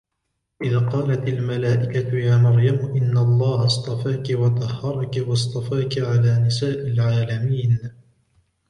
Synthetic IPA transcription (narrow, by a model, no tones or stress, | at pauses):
ʔɪðaːqɑːlat̪almalaːʔɪkat̪ʊjaːnɑɾjamʊʔɪnːalˤːɑːhɑst̪ˤɑfaːkɪwɑt̪ˤɑhːɑɾˤɑkɪwɑst̪ˤɑfaːkʕalaːnɪsaːʔɪlʕaːlamiːn